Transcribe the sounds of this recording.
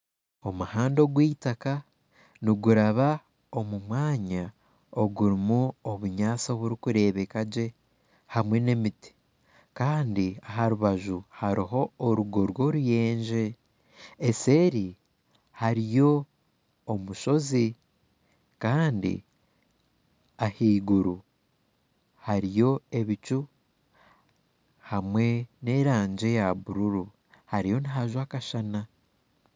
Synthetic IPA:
o̞muhaːndo̞ɡwiːtaka | niɡuɾaβa | o̞mumwaːɲa | o̞ɡuɾimuoβuɲaːt͡so̞βuɾikuɾe̞ːβe̞kaɟe̞ | hamwe̞ne̞miti̥ | kaːndiaɦaɾuβaʒuhaɾiɦo̞ːɾuɡo̞ɾwo̞ɾuje̞ːɲʒe̞ | ese̞ɾi | haɾijo̞ː | muʃo̞zi | kaːndḭ | ahiːɡuɾu | haɾijo̞e̞βit͡ʃu | hamwe̞ne̞ɾaːɲd͡ʒe̞jaβuɾuɾu | haɾijo̞niɦaʒwakaʃana

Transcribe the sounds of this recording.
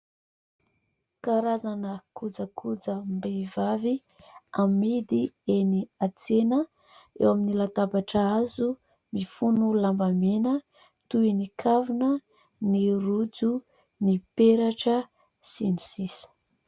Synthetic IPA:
kaɾazanəkud͡zəkʰud͡zəmbevaviamːid̪ieniat͡senə | ḛwaminilat̪abaʈ͡ʂəazu | mifunulambamenə | t̪uinikʰavunə | nirud͡zu | nipeɾaʈ͡ʂə | sinisisə̥

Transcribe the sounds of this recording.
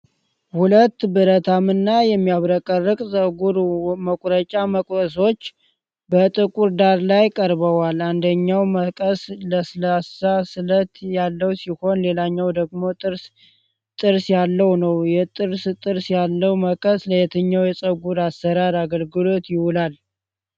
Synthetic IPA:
hulət̪ːbɨɾət̪ʰamɨnːajɛmːijaβɾəkʼərːɨkʼsʼəɡuɾməkʼɾət͡ʃʼaməkʼəso̞t͡ʃː | bət̪ʼɨkʼuɾd̪aɾlajkʼəɾbəwaland̪əɲːawməkʼəsləslasasɨlət̪jalːəwsiho̞nle̞laɲːawd̪əɡmo̞ɨɾ | t̪ʼɨɾsjalːəwnəwjɛt̪ʼɨɾst̪ʼɨɾsjalːəwməkʼəsləjɛt̪ʰəɲːawjɛsʼəɡuɾasːəɾaɾaɡəlɡɨlo̞t̪jɪhʊlal

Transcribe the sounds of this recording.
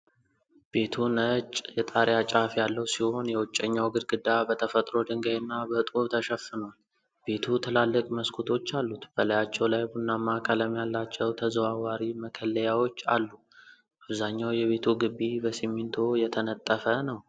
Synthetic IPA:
b̥e̞t̪ʰunət͡ʃʼjɛt̪ʼaɾjat͡ʃʼafjalːəwsiho̞njɛwɔt͡ʃʼːəɲːawɡɨd̪ɡɨd̪abət̪ʰəfət̪ʼɾo̞d̪ɨŋɡajnːabət̪ʼuβt̪ʰəʃəfːɨnwal | b̥e̞t̪ʰut̪ʰəlalːɨkʼməskʰut̪ʰo̞t͡ʃːalːut̪b̥əlajat͡ʃːɛwlajbunːamakʰʼaləmjalːat͡ʃːɛwt̪ʰəzəwawaɾiməkʰəlːəjawo̞t͡ʃːalːu | ʔabzaɲːawjɛβe̞t̪ʰuɡɨbːibəsimːint̪ʰo̞jɛt̪ʰənət̪ʼːəfənəw

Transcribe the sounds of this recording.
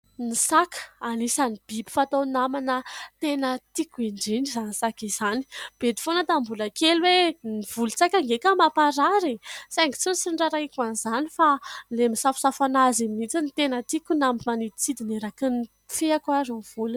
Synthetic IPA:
nisakə̥anisanib̥ibi̥fat̪onamanət̪enət̪ikuiɳɖ͡ʐinizanisakiz̥ani̥b̥ed̪i̥fonət̪ambulakelweniv̥ulut͡sakʲaŋɡekamapaɾaɾesaŋɡit͡sunsiɳɖ͡ʐaɾaikuanizanifalemisafu̥safanazimiit͡sinit̪enət̪ikunambimanit͡sid̪ineɾakini | feakwarov̥ulu

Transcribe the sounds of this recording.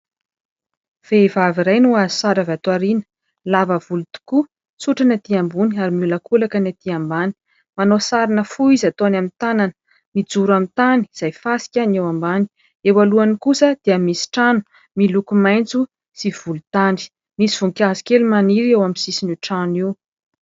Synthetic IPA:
v̥evaviɾajnuazi̥saɾavat̪waɾinə̥ | lavəv̥ulut̪u̥ku | t͡suʈ͡ʂanat̪iambuniaɾimulakulakənat̪iambani̥ | manosaɾinəfuizat̪onamint̪ananə̥ | mid͡zuɾamit̪ani̥z̥ajfasi̥kʲanewambani̥ | ewaluanikusəd̪̥iəmisi̥ʈ͡ʂanu̥ | milukumajnt͡su | siv̥ulut̪aɳɖ͡ʐi̥ | misiv̥uŋkʲazi̥kʲelumaniɾewamisisinuʈ͡ʂaniw

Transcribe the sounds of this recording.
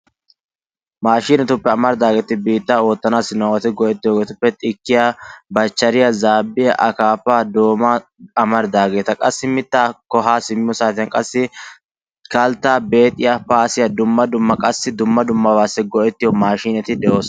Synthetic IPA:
maːʃiːnɛt̪ʊpːɛɐmɐɾd̪aːɡe̞ːt̪ɪbiːt̪ːaoːt̪ːɐnaːsɪnɐwɐt̪ɪɡɔʔɛt̪ːɪjɔːɡeːt̪ʊpːɛt̪ʼɪkːɪjaːbɐt͡ʃːɐɾɪjɐzaːbːɪjɐʔɐkaːpːaːd̪o̞ːmaɐmɐɾd̪aːɡe̞ːt̪ɐkʼɐsːɪmɪt̪ːaːkɔɦaːsɪmːɪjɔsaːt̪ɪɐnkʼɐsːɪ | kɐlt̪ːaːbe̞ːt̪ʼːɪjapaːsɪjɐd̪ʊmːɐd̪ʊmːɐkʼɐsːɪd̪ʊmːɐd̪ʊmːɐbaːsːɛɡɔʔɛt̪ːɪjɔmaːʃiːnɛt̪ɪd̪ɛʔo̞ːs

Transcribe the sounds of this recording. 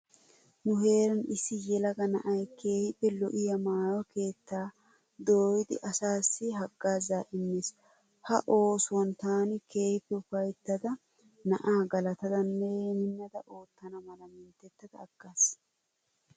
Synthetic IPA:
nʊhe̞ːɾɐnɪsːɪjɛlɐɡɐnɐʔɐjke̞ːhɪpːɛlɔ̰ʔɪjɐmaːjɔke̞ːt̪ːaː | d̪oːjɪd̪ɪ̰ʔɐsaːsːɪɦɐɡːaːzaːʔɪnːes | hɐʔo̞ːsʊwɐnt̪aːnɪke̞ːhɪpːɛʊfɐjt̪ːɐd̪ɐ | nɐʔaːɡɐlɐt̪ɐd̪ɐnːɛmɪnːɐd̪ɐʔo̞ːt̪ːɐnɐmɐlɐmɪnt̪ːɛt̪ːɐd̪ɐːɡ̥ːas

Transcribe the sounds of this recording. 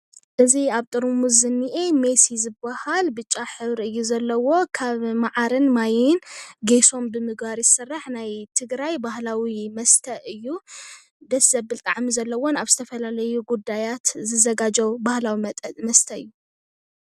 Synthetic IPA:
ʔɨziaβt̪ʼɨɾmuzɨnːiʔemesizɨbːahalbɨt͡ʃʼːaħɨβɾiɨjːuzɐlːɐwo̞kʰaβmaʕaɾɨnmajɪnɡeso̞mbɨmɨɡbaɾjɨsɨrːaħnajt̪ʰɨɡɾajbahlawimɐst̪ʰɐʔɨjːu | d̪ɐszɐbɨlt̪ʼaʕmizɐlːɐwonaβzɨt̪ʰɐfɐlalɐjuɡud̪ajat̪zɨzɐɡad͡ʒɐwbahlawimɐst̪ʰɐɨjːu

